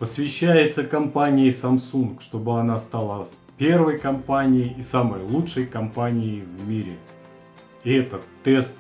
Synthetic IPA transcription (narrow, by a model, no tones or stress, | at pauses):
pəsvʲɪɕːæjɪt̪səkɐmpanʲɪjəsɐmsunkʂt̪o̞bɨɐnast̪alˠə | pʲe̞rvəjkɐmpanʲɪjɪːsaməjlˠutʂəjkɐmpanʲɪɪvmʲiɾʲɪ | ɪɛt̪ət̪ːɛst̪